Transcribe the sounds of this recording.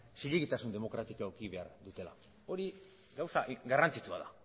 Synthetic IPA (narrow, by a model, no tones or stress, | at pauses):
siʎeɣit̪asund̪e̞mo̞kɾat̪ikookiβe̞a̰ɾd̪ut̪e̞la̰ | o̞ɾi | ɡawsaɡarant͡sit͡sua̰ða